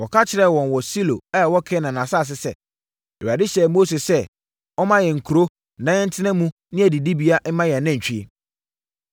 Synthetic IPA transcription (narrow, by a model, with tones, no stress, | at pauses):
wɔ˨kʰa˦t͡ɕʰɪ˨ɾɛ˦˨wɔ̃˨n˨wɔ˨si˦lo̰˨ɛ˦˨wɔ˦kʰɛ˦nã˨nã˨sa˦a˨s̬ɪ˦sɛ̰˦ | ɛ˨ɥa˨dɪ˦ɕɛ˦mo˦se˨sɛ˦ | ɔ˦mã˦jɛ˨ŋ̩˨kʰu˨ɾo˦ | nã˦ɛ˦n̩˦tʰɪ˦nã˦mũ˦ | nɪ̃˦æ˨di˨di˦bi˨˦a˦ʔ̩˦mã˦jɛ˨nã˦ɲ̩˨t͡ɕᶣi˦ḛ˨